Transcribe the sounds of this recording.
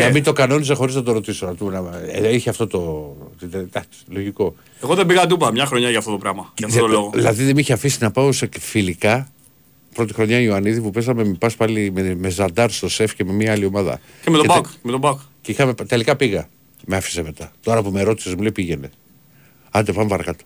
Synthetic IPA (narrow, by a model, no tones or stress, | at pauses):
ɐmit̪o̞kɐno̞nisexo̞ɾiznɐt̪o̞ɾo̞t̪isonɐt̪umnɐiçeɐft̪o̞t̪ot̪id̪d̪ɐksi̥lo̞ʝiko̞ | eɣoðebiɣɐd̪upɐmɲɐxɾo̞ɲɐʝɐft̪o̞t̪opɾɐmɐɐft̪oloɣoðilɐðiðe̞miçeɐfisinɐpɐosefilikɐ | pɾo̞t̪ixɾo̞ɲɐioɐniðipupe̞zɐme̞pɐspɐlimeme̞zɐnd̪ɐɾst̪o̞se̞fce̞me̞miɐɐlio̞mɐðɐ̰ | cemet̪oebkemet̪obɐk | ceixɐmept̪e̞likɐpiɣɐ | meɐfi̥seme̞t̪ɐt̪oɾɐpumeɾo̞t̪i̥sezmuleipiʝe̞ne̞ | ɐnd̪epɐmepɐɾɐkɐt̪o̥